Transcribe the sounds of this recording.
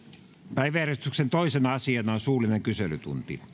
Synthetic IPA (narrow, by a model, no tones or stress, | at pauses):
pæiʋæjærest̪yksent̪oisenɑɑsiɑnɑnsuːlineŋkyselyt̪ṵnt̪ḭ